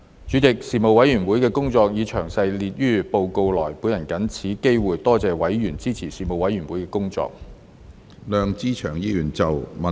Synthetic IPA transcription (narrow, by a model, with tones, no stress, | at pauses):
t͡ʃyː˨˥t͡sɪ˨k̚siː˨mo˨wɐ˨˥jyː˨˩nwuː˨˥jkɛː˧kʊ˥ŋt͡sɔː˧k̚jiː˨˧t͡ʃʰœː˨˩ŋsɐ˧jliː˧t̚jyː˥po˧wko˧wlɔː˨˩jpu˨˧˥jɐ˨˩nkɐ˨˥nt͡sʰiː˨˥ke˥jwuː˨˩jt̪ɔː˥t͡sɛː˨wɐ˨˥jjyː˨˩nt͡siː˥t͡sʰiː˨˩siː˨˩mo˨wɐ˨˥jɥyː˨˩nwuː˨˥jkɛː˧kʊ˥ŋt͡sɔ̰ː˧k̚ | lœː˨˧ŋt͡siː˥t͡ʃʰœː˨˩ŋjiː˥jyː˨˩nt͡sɐ˨wmɐ˨